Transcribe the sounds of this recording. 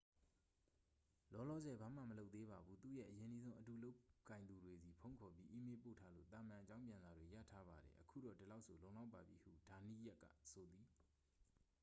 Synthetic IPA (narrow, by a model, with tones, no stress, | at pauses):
lɔ˦lɔ̰˦˨zɛ˨ba˨m̥a̰˦˨məlo˦ʊt̪t̪ːe˦ba˨bu˦t̪ṵ˦˨jɛ̰˦˨ʔəjɪ̃˨ni˦zõ˦ʊ̃ʔətu˨lo˦ʊkːã˨ɪnd̪u˨dwe˨zi˨pʰõ˦ʊ̃ŋkʰɔ˨p̬ji˦ʔi˦me˦po̰˦˨tʰa˦lo̰˦˨t̪ã̰˨mã˨ʔət͡ɕã˦ʊ̃mpjã˨nza˨dwe˨ja̰˦˨tʰa˦ba˨ɾɛ̰˨ʔəkʰṵ˦˨ɾɔ̰˦˨də˨la˦ʊʔsʰo˨lõ˨ʊ̃la˦ʊpːa˨bji˨hṵ˦˨d̥a˨nḭ˦˨ja˦ʔkːa̰˦˨so˨d̪i˨